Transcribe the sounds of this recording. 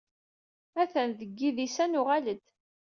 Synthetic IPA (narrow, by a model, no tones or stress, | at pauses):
æθənðəɡːiðisænʊʁaləd̪